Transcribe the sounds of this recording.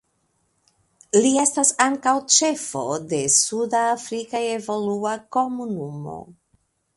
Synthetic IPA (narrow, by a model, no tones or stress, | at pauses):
lie̞stasaŋkawt͡ʃe̞fo̞de̞sudaːfɾikaevo̞luako̞munumo̞̰